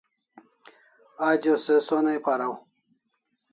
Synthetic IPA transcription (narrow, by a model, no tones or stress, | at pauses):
aːd͡ʑosesonajpaɾaw